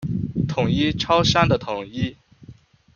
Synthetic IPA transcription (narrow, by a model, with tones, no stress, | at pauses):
t̪ʰʊ˨˩ŋi˥ʈ͡ʂʰɑ˥ʊʂa˥nd̪ə˨t̪ʰʊ˨˩ŋi˥